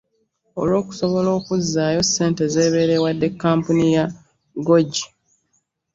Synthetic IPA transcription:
olwo̞ːku̥so̞βo̞lo̞ːkuzːaːjo̞sːe̞ːnte̞ze̞ːβe̞ːɾe̞wadːe̞kːaːmpunija | ɡo̞ɟi

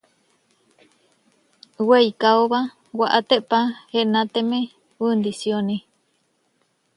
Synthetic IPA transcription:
weikaoβa | waʔat̪eʔpaheʔnãt̪emẽ | und̪isjoni

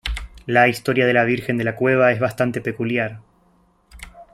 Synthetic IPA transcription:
laist̪o̞ɾjað̞e̞laβ̞iɾxe̞nd̪elakwe̞β̞ae̞zβast̪ant̪e̞pe̞kuljaɾ

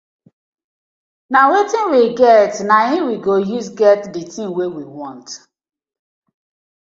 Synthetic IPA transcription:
nawetĩnwiɡɛtnaĩwiɡojusɡɛtditĩŋwewiwɔ̃nt

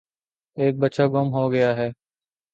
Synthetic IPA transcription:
eːk̚bətːʃaːɡomɦoːɡəjaːɦɛː

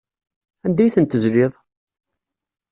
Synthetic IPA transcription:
ænd̪æjθənt̪əzlɪðˤ

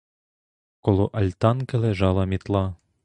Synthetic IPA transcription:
kɔlˠɔʔɐlʲt̪ɑnkɐlɛʒɑlˠɐmʲit̪lˠɑ

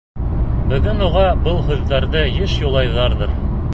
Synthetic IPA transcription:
bɘ̆ɡɘnuʁɑbɤlˠɦʉðːæɾðɤjɘʃjulˠɑjðɑɾðɤɾ

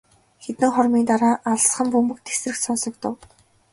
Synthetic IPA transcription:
xet̪ɘ̆ŋχɔrmiːnt̪aɾaːʔaɮ̆sχə̆mpɵmɵ̆k̚t̪ʰːe̥srɘ̆xsɔnsɞ̆k̚t̪ʊ̆w

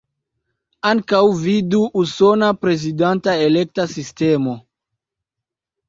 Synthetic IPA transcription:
aŋkawviduʔuso̞napɾe̞zidantaelek̚tasiste̞mo̞

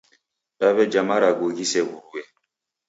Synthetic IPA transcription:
ɗaβɛd͡ʒamaɾaɡoɡisɛwuɾuwɛ

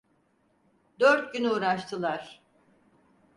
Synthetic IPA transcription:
d̪øɾt̪̚ɟynuːɾaʃt̪ʰɯlˠaɾ̥

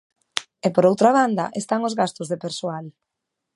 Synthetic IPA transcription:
epoɾowt̪ɾaβ̞and̪ɐ̰ʔest̪aŋozɣast̪ʊzðepeɾsoal

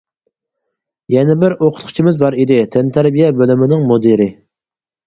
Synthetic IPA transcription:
jɛnɪbɪɾoqʰʊt̪qʰʊ̥t͡ʃʰimɪzbɑɾid̪ɪt̪ʰɛnt̪ʰæɾbijɛbølymɪnɪŋmod̪eɾɪ

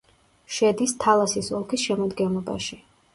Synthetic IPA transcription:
ʃɛd̪ist̪ʰalˠasisɔlˠkʰisʃɛmɔd̪ɡɛnlˠɔba̰ʃi

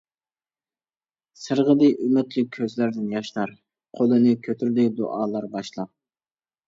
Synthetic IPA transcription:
sɨɾʁəd̪ɨʔymyt̪ʰlɪk̚ʲʰːøzlæɾd̪ɪnjɑʃlˠɑɾ | qʰolˠɨnɨkʲʰøt̪ʰyɾd̪ɪd̪oʔɑːlˠɑɾbɑʃlˠɑp̚

